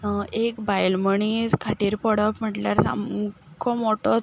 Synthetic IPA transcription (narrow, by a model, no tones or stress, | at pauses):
əekbajlməɳiskʰaʈiːɾpɔɽəpm̤əʈljaɾsa̰m | kʰɔmoʈɔ